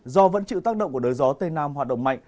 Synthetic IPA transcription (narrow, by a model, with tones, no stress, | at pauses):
zɔ˧və̰˧˥nt͡ɕḭ˧˨wt̪aː˦˥k̚ɗə̰˧˨ŋ͡mku˧˩əɗəː˨˦jzɔ˨˦t̪ə˧jnaː˧mhwaː˨˩t̚ɗə̰˧˨wŋ͡mma̰˧˨jŋ